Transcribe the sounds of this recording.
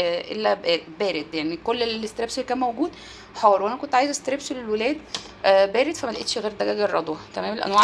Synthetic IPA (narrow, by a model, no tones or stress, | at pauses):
ʔḛlːæbæːɾed̪jaʕnikolːelest̪eɾebselːkæːnmæwɡuːd̪ | ħɑːɾˤwʔænækont̪ʕaːjezæst̪eɾebslelwelæːd̪ | bæːɾed̪fæmælʔḛt̪ʃɣeːɾd̪æɡæːɡerˤːɑd̪ˤwɑkæmæːmelʔæ̰nwæʕ